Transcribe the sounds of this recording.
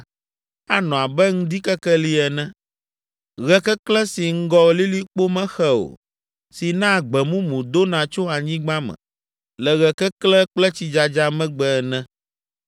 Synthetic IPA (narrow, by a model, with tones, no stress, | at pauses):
a˦nɔ̃˨a˨bɛ˦ŋũ˦d̪i˦kɛ˦kɛ˦li˦ɛ˨nɛ̃˦ | ɣɛ˦kɛ˦klɛ˦si˨ŋ̩˦ɡɔ˦li˦li˦k͡po˦mɛ̃˦xɛ˦o̰˨ | si˨nã˦˨ɡ͡bɛ˨mũ˦mũ˨d̪o˦nã˨t͡ʃo˦a˨ɲĩ˦ɡ͡bã˦mɛ̰̃˨ | lɛ˨ɣɛ˨kɛ˦klɛ˦k͡plɛ˦t͡ɕi˨d͡ʒa˨d͡ʒa˦mɛ̃˦ɡ͡bɛ˨nɛ̃˦